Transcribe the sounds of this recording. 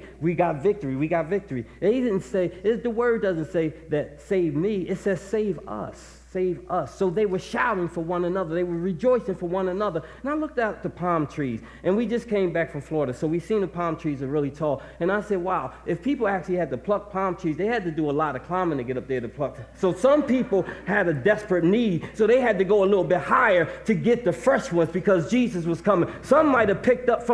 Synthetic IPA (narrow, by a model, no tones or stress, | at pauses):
wiɡɑtvɪk̚tə˞iwiɡɑtvɪk̚tə˞iɨ̃iɾɪdⁿn̩tseɪɪðəwɜ˞d̚ʌzɨ̃ntseɪðɨt̚seɪvmiɪtsɛz̥seɪvʌ̰sː | eɪvʌsoʊðeɪwə˞ʃaʊɪ̃ŋfə˞wʌ̃nɨnʌðə˞ðeɪwə˞ɹɨd͡ʒɔɪsɪ̃ŋfə˞wʌ̃nɨnʌðə˞ɨ̃naɪlʊk̚taʊt̪̚ðəpʰɑ̃mtʰɹ̥iz̥ | ʔɨ̃nwid͡ʒʌskʰẽɪ̃mbækfɹʌ̃ɱflɔɹəɾɨsoʊwiv̥sĩnðəpʰɑ̃mtʰɹ̥izəɹɪlˠitʰɔlˠ | ɨ̃naɪsɛd̚waʊʔɨfpʰipl̩ˠæk̚t͡ʃʉl̩ˠiɨd̚tɨpʰl̥ʌk̚pʰɑ̃mtʰɹ̥izðeɪɨd̚tɨdɨəlɑɾʌ̥kʰl̥ãɪ̃mɨ̃tɨɡɛɾʌp̚ðə˞ɾɨpʰl̥ʌksoʊsʌ̃mpipl̩ˠɨɾɨdɛspɹɨtⁿnid̚soʊðeɪɨd̚tɨɡoʊəlɪɾl̩ˠbɪt̚haɪə˞ɾɨɡɛt̪̚ðɨfɜ˞st̚wʌ̃nzbɨkʰʌzd͡ʒizɨs̬wʌz̥kʰʌmɪ̃ŋsʌ̃mːaɪɾ̚ɨv̥pʰɪk̚tʌpf